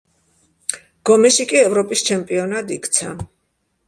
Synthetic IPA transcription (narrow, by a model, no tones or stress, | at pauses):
ɡ̥ɔmɛʃikʼiɛvɾɔpʼist͡ʃʰɛmpʼiɔnad̪ikʰt̪sʰa̰